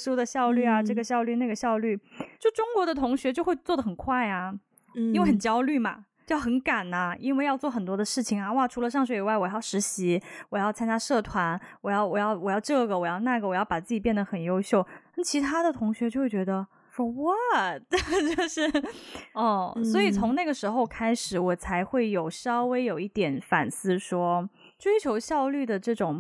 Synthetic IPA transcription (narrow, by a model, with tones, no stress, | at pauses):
ʂu˥d̪ə˨˧ɕjɑ˥˧ʊly˥˩a˩ʈ͡ʂɤ˥˩ɡə˩ɕjɑ˥˧ʊly˥˧na˥˩ɡə˩ɕjɑ˥˧ʊly˥˩t͡ɕjo˥˩ʊʂʈ͡ʂʊ˥ŋkwɔ˧˥d̪ə˧t̪ʰʊ˧˥ŋɕɥɛ˧˥t͡ɕjo˥˧ʊxwe˥˧ɪt͡swɔ˥˩d̪ə˩xə˨˩nkʰwa˥˩ɪa˩ | i˥nwe˥˩ɪxə˨˩n˩t͡ɕjɑ˥ʊly˥˩ma̰˩t͡ɕjjxə˧˥nka˨˩nɐ˦i˥nwe˥˧ɪjɑ˥˧ʊt͡swɔ˥˩xə˨˩nt̪wɔ˥d̪ə˧ʂɻ̩˥˩t͡ɕʰi˨˩ŋa˩wa˥˧˩ʈ͡ʂʰu˧˥lə˧ʂɑ˥˧ŋʂwe˨˩ɪi˨˩wa˥˩ɪwɔ˨˩jɑ˥˩ʊʂɻ̩˧˥ɕi˧˥wɔ˨˩jɑ˥˩ʊt͡sʰa˥nt͡ɕja˥ʂɤ˥˩t̪ʰwa˧˥nwɔ˨˩jɑ˥˩ʊwɔ˨˩jɑ˥˩ʊwɔ˨˩jɑ˥˧ʊʈ͡ʂɤ˥˩ɡə˩wɔ˨˩jɑ˥˧ʊna˥˩ɡə˩wɔ˨˩jɑ˥˩ʊpa˨˩t͡sɹ̩˥˩t͡ɕi˨˩pjɛ˥˩nd̪ə˩xə˨˩njo˥ʊɕjo˥˩ʊna˥˩t͡ɕʰi˧˥t̪ʰa˥d̪ə˨t̪ʰʊ˧˥ŋɕɥɛ˧˥t͡ɕjo˥˧ʊxwt͡ɕɥɛ˧˥d̪ə˧ | ʂwɔ˥wa˥t̚t͡ɕjo˥˧ʊʂɻ̩˥˩ɔ˥˩swɔ˧˥i˨˩t͡sʰʊ˧˥ŋna˥˩ɡə˩ʂɻ̩˧˥xo˧ʊkʰa˥ɪʂɻ̩˨˩wɔ˨˩t͡sʰa˧˥ɪxwe˥˩ɪjo˨˩ʊʂɕɑ˥ʊwe˥ɪjo˨˩ʊi˥˩t̪jɛ˨˧˥nfa̰˨˩nsɹ̩˥˩ʂwɔ˥ | ʈ͡ʂwe˥ɪt͡ɕʰjo˧˥ʊɕjɑ˥˧ʊly˥˩d̪ə˩ʈ͡ʂɤ˥˩ʈ͡ʂʊ˨˩ŋ